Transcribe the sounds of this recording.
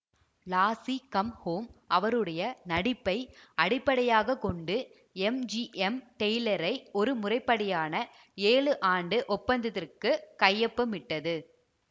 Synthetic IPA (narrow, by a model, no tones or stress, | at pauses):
laːsikɐmhoːmʔɐʋɐɾɯɽɐjɐnɐɽɪpːɐɪɐɽɪpːɐɽɐjaːɣɐkɔɳɖɯ | ɛmd͡ʒiʔɛmʈɛjlɐɾɐɪɔɾɯmʊrɐɪpːɐɽɐjaːnɐ | eːɭɯʔaːɳɖɯʔɔpːɐnd̪ɐðɪrkɯkɐjːɐpːɐmɪʈːɐðɯ